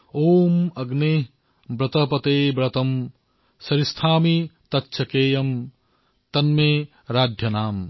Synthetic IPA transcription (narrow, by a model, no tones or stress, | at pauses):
oːmɐɡneː | bɾɐt̪ɐpɐt̪eːbɾɐt̪ɐm | sɐɾist̪ʰaːmit̪ɐtːʃʰɐkeːjɐm | t̪ɐnmeː | ɾaːd̪ʱjɐnaːm